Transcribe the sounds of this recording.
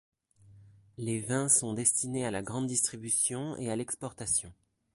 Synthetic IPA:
levɛ̃sɔ̃d̪ɛst̪inealaɡʁɑ̃d̪ːist̪χibysjɔ̃ḛalɛkspɔʁt̪asjɔ̃

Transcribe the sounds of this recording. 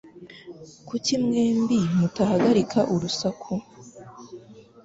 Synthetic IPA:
kucimŋeːmbimutahaɡaɾikʰaʔuɾusakʰu

